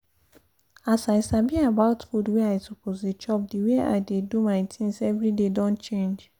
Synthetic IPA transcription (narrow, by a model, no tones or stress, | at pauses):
asaɪsabiabaʊtfudweaɪsopʰosdet͡ʃɔp̚diwea̰ɪdedumaɪtʰĩŋsɛvɹidedɔ̃nt͡ʃẽnd͡ʒ